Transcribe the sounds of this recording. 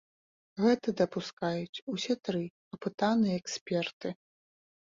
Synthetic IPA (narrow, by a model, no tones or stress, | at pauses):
ɣɛt̪ɐd̪ɐpuskajut͡sʲusʲɛt̪ɾɨ | ɐpɨt̪anɨjɛːksʲpʲɛrt̪ɨ